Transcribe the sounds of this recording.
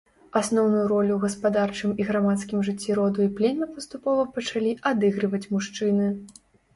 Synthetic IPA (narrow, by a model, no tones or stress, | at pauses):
asnɔwnujuɾɔlʲuɣɐspad̪art͡ʂɨmiɣɾamat̪skʲimʐɨt͡sʲːiɾɔd̪uiplʲemʲɐpɐst̪upɔvɐpɐt͡ʂalʲiʔad̪ɨɣɾɨvɐt͡sʲmuʂt͡ʂɨnɨ